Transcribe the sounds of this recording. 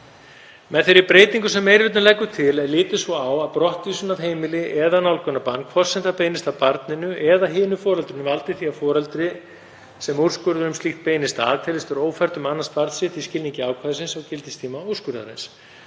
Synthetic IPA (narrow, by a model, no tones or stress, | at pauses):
mɛðθɪɾɪɾpɾeːjt̪iŋkʏsɛmːejɾvɪt̪nʏlɛkːʏt̪ʰɪlɛðlɪːt̪ɪsvɔawaðpɾɔht̪visʏnavɦeːjmɪlɪʔɛðanawlkʏnapanːkʰvɔrsɛnθapeːjnɪst̪awpaɾt̪nɪnʏʔɛðaɦɪːnʏfɔːɾɛlt̪ɾɪnʏvalt̪ɪ̥θiafɔːɾɛlt̪ɾɪ | sɛmuwɾ̥skʏɾðʏnʏmst̪iht̪̚peːjnɪst̪a̰ðt̪ʰɛːlɪst̪ʏɾoːwfɛr̥t̪ʏmanːanst̪paɾt̪sɪt̪iscɪlniŋcɪaːwkʰvaːðɪsɪnsawcɪlt̪ɪst̪ʰiːmaoskʏɾða̰ɾḛns